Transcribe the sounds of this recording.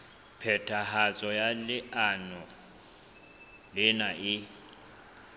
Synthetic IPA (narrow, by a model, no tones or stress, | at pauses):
pʰɛtʰahat͡sʼɔjalɪʔanɔ | lɪnaʔɪ